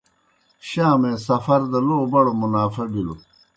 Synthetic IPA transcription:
ɕaːmẽsɐfɐɾd̪ɐloːbɐɽomunaːfɐbilo

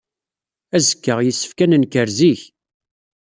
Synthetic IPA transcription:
æzəkːəʁjisːə̥fkænənkəɾziç

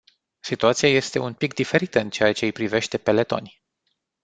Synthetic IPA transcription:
sit̪uat̪siaje̞st̪e̞unpikd̪ife̞ɾit̪əɨnt͡ʃe̞at͡ʃe̞jpɾive̞ʃt̪e̞pe̞le̞t̪o̞̰nʲ

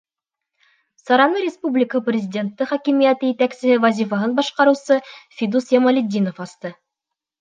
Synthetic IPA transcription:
sɑɾɑnɤɾʲɪspublʲɪkəəprʲɪzʲɪdʲe̞nt̪ːɤχækimijæt̪ɤjit̪æksɘ̆hɘvɐzʲifəɦɤnbɑʃqɑɾɤ̆wsɤfʲid̪usjɑmɐlʲɪd̪ʲːinofɑst̪ɤ

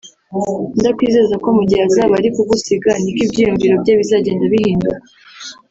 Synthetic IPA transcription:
ndakwiːze̞zako̞muɟihazaβaɾikuβusiɡanikibɟiːjuɲɟiɾo̞bɟaβizaɟe̞ːndaβihiːndua

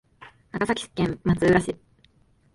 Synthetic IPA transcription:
nakasakʲi̥sɨ̥kːẽ̞mmat͡sɨːɾaɕi

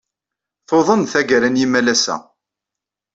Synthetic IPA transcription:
θoðˤənθæɡəɾænjimælæsæ̰

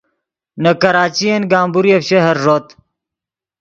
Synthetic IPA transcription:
nɐkɐɾaːt͡ɕijɐnɡaːmbuɾijɐfɕɐɦɐɾːot̪

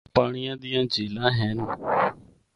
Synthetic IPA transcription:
paːɳ̃ɪjãːd̪ɪjãːd͡ʒeːlãːɦɛːn

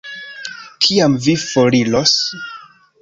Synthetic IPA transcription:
kʰiamvifoɾilos

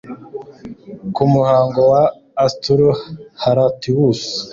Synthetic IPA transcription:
kumuhaːŋɡowaː | stuɾuhaɾatiwus

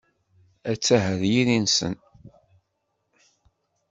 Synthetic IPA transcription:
æt͡sːæɦəðjiɾinsə̰n

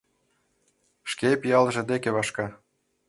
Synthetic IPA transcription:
ʃkepijɑlʒĕd̪ekeβɑʃkɑ

